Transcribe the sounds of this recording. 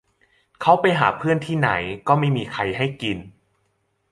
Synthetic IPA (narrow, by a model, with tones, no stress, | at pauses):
kʰa˦˥wpa˧jɦaː˩˦pʰɯ˥˩ənt̪ʰiː˥˩na̰˩˦jkɔː˥˩ma˥˩jmiː˧kʰa˧jɦa˥˩jki˧n